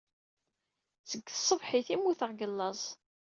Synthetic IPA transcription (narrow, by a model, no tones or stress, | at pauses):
t͡səɡːəsˤːəvħiθimːuθəʁɡəlːɑzˤ